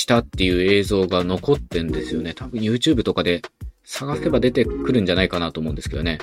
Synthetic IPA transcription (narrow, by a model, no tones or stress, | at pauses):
ɕi̥t̪at̪ːe̞jɯ̟ːe̞ːzo̞ːɡano̞ko̞t̪ːẽ̞nd̪e̞sɨjo̞ne̞t̪abɯ̟̃ɰ̃jɯ̟ːt͡ɕɨːbɯ̟t̪o̞kad̪e̞saɡase̞bad̪e̞t̪e̞kɯ̟ɾɯ̟̃ɲ̟d͡ʑanaikanat̪oːmo̞ɯ̃nd̪eskeone